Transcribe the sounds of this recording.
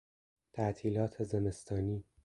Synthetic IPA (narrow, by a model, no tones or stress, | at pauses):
t̪ʰæʔt̪ʰiːlɒːt̪ʰezeme̞st̪ʰɒːniː